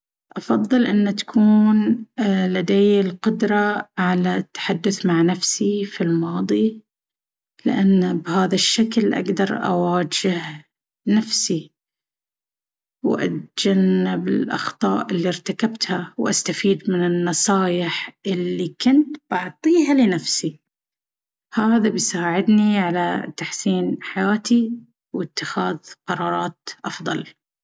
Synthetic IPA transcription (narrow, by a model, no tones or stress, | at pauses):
ʔɑfɑðˤːɨlʔɪnːat̪ḁkʰuːnlad̪ejɪlqʊd̪ɾˤɑʕalat̪ːḁħad̪ːʊθmaʕnafsifilmɑːðˤi | lɪ̰ʔanːbhaːðaʃːaklʔa̰ɡd̪ɑɾˤʔa̰waːd͡ʒɪh | nafsi | wʔa̰t̪d͡ʒanːɪbɪlʔɑ̰xt̪ˤɑːʔɪlːiɾt̪akabt̪hawʔast̪afiːd̪mɪnɪnːɑsˤɑːjɪħʔɪlːikʊnt̪bɑʕt̪ˤiːɦalɪnafsi | haːðabɪjsaːʕɪd̪niʕalat̪aħsiːnħajaːt̪i | wɪt̪ːɪxaːðqɑɾˤɑːɾˤɑːt̪ʔɑfðˤɑl